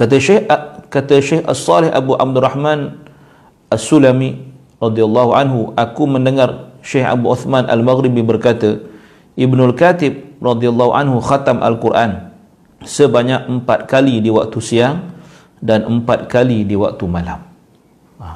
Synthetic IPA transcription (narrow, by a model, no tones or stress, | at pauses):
kat̪aʃkat̪əʃeha̰sˤːɑlɪhʔa̰buʔa̰b̚d̪urɑhmãn | ʔasulami | rɑd̪ialːɑɦuʔanɦuʔakumə̃ndəŋarʃeha̰buuθmanʔa̰lmaɣɾibibərkat̪ə | ʔibnʊlkat̪ɪb̚rɑd̪ialːɑɦuʔa̰nɦuxat̪amʔa̰lkurʔan | səbaɲak̚əmpat̪̚kalidiwa̰k̚t̪usiaŋ | danəmpat̪̚kalidiwa̰k̚t̪umalam